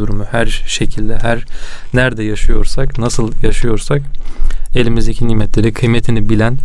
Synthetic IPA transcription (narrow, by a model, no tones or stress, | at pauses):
uɾumuhæɾʃecʰilʲd̪ɛɦæɾnæɾd̪ɛjaʃɯjo̞ɾsaknasɯlˠjaʃɯjo̞ɾsak | e̞lʲimizd̪ecʰiniːmɛt̪ʰlʲe̞ɾikʰɯjmet̪ʰinibilʲæn